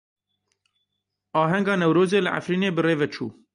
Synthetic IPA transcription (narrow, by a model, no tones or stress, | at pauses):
ɑːɦɛŋɡɑːnɛwɾoːzeːlɨʔa̰fɾiːneːbɨreːvɛt͡ʃʰṵː